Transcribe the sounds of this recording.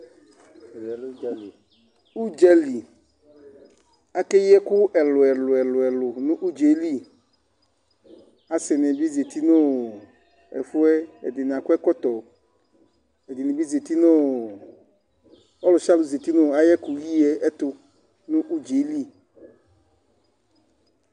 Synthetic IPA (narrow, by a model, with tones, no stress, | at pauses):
u˦d͡ʒɛ˦li˨ | a˦ke˦jɛ˦kʊ˦ʔɛ˨lʊ˨ɛ˨lʊ˨ɛ˨lʊ˨ɛ˨lʊ˨nũ˦ʔu˦d͡ʒe˨˦li˦ | a˨sɪ˨nɛ̃˨bi˦ze˨t̪i˦nõ˦ | ɛ̰˨fu˦ɛ˦ɛ̰˨d̪ɪ˨n˨ã˨ku˦ɛ˦kɔ˦t̪ɔ˨ | e˨d̪ɪ˨nĩ˨bi˦ze˨t̪i˦nʊ̃˦ | ɔ˦lʊ˨ʃa˦lʊ˨ze˨t̪i˦nʊ̃˦a˨jɛ˦ku˨ji˦ɛ˦ɛ˦t̪ʊ˦ | nũ˦ʔu˦d͡ʒe˨˦li˦